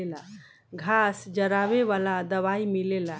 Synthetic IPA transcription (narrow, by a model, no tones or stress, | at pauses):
ela | ɡʱasd͡ʒəɾaβeβalad̪əβaimilela